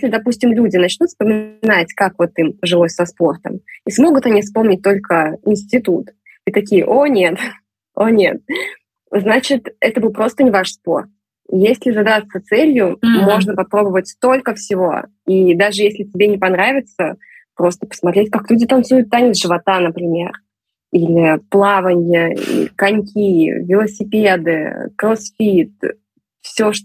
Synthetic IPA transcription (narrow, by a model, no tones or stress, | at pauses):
jesʲlʲɪd̪ɐpusʲtʲɪmlʲudʲɪnɐt͡ɕnut̪spəmʲɪnatʲkakvo̞t̪iməʐɨlˠo̞sʲsɐspo̞rt̪ə̰mismo̞ɡʊt̪ɐnʲifspo̞mnʲɪt̚ʲt̪o̞lʲkəɪnsʲtʲɪt̪ut̪ | it̪ɐkʲijə̰ʔo̞nʲet̪ | o̞nʲe̞t̪̚ | znat͡ɕɪt̪ɛt̪əbɨlˠpɾo̞st̪ənʲɪvaʂspo̞r | jesʲlʲɪzɐd̪ast̪ət̪sɛlʲjʊmo̞ʐnəpɐpɾo̞bəvətʲst̪o̞lʲkəfsʲɪvo̞̰ | id̪aʐɨjesʲlʲɪtʲɪbʲenʲɪpɐnɾavʲɪt̪sə | pɾo̞st̪ə̥pə̥smɐt̪ɾʲetʲkaklʲudʲɪt̪ɐnt̪sujʊt̪ːanʲɪt̪ʐɨvɐt̪anəpɾʲɪmʲe̞r | ilʲɪplˠavənʲjəḭkɐnʲkʲivʲɪlˠəsʲɪpʲed̪ɨ̰kɾosfʲit̪̚ | fsʲoʂ